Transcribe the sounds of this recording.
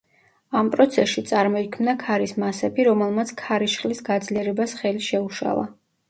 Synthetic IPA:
ampʼɾɔt̪sʰɛsʃit̪sʼaɾmɔikʰmnakʰaɾismasɛbiɾɔmɛlˠmat̪sʰkʰaɾiʃχʼlisɡad̪zliɛɾɛbasχɛliʃɛuʃa̰lˠa̰

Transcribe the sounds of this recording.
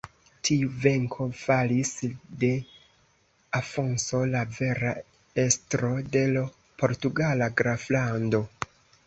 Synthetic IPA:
tʰiuve̞ŋkʰo̞falisde̞ | afo̞nso̞lave̞ɾa | e̞stɾo̞de̞l | po̞ɾtuɡalaɡɾaflando̞

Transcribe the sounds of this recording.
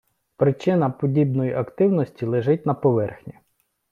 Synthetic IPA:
pɾɪt͡ʃɪnɐpɔdʲibnɔjiʔɐkt̪ɪwnɔsʲtʲilˠeʒɪt̚ʲnɐpɔʋɛrxnʲi

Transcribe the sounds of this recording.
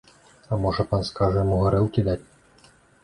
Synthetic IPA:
amɔʐɐpanskaʐɐmuɣɐɾɘlˠkʲid̪atʲ

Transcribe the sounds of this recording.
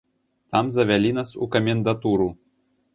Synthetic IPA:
t̪ɑmzɐʋʲɛlʲinɐsṵkɐmʲend̪ɐt̪uɾu

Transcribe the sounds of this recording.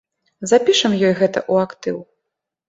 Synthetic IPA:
zapʲiʂɐmjɔjɣɛt̪ɐ̰ʔuakt̪ɨw

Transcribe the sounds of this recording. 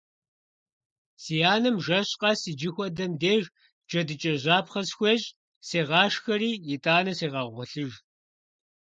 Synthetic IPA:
sijaːnɨmʒɐɕʼqɑsiːd͡ʒɪxʷɔdɐmdeːʒ | d͡ʒɐdɨt͡ʃʼɐʑaːpχɐsxʷeːɕʼ | seːʁɑːʂxɐriːjɪtʼaːnɐseːʁɑʁʷɔɬɨʒ

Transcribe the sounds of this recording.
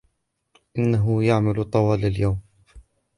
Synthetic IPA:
ʔɪnːaɦʊjaʕmalt̪ˤɑwɑːlaljawm

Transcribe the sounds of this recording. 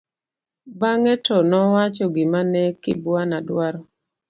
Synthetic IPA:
baŋɛtɔnɔwat͡ʃɔɡɪmanɛkɪ̰bwanadwaɾɔ

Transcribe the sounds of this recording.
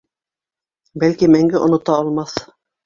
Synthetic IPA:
bælkimæŋɡɘʔŏnŏt̪ɑɑlˠmɑθ

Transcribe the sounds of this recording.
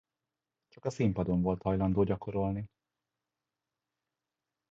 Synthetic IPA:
t͡ʃɒkɒsimpɒd̪o̞ɱvo̞lt̪hɒjlɒnd̪oːɟɒko̞ɾo̞lni

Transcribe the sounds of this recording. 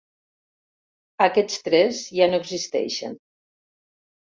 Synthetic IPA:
akɛt͡st̪ɾɛzʒanoeɡzist̪ɛ̰ʃə̰n

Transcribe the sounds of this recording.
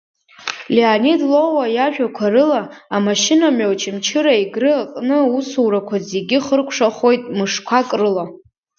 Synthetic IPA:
leanidlo̞wajaʒᶣakʷʰarɨlaamaʃɪnamowt͡ʃʰɪmt͡ʃʰɨɾaiɡrɨaqʼnɨusuwɾakʷʰazeɡʲɪχərkʷʰʂaχo̞jtʼmɨʂkʷʰakʼrɨla

